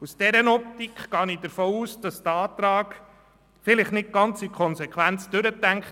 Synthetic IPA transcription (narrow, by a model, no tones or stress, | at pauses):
usd̥ɛɾənɔp̚t̪ikχɡ̥ɑːnid̥əɾfɔːuːsd̥ɑsd̥̪əɑːt̪ɾɑːɡ | fɪlɪχnɪt̚ɡ̥ɑnt͡sikʰɔnsɛkχʋænt͡sd̥ʉɾət̪ːæŋkχ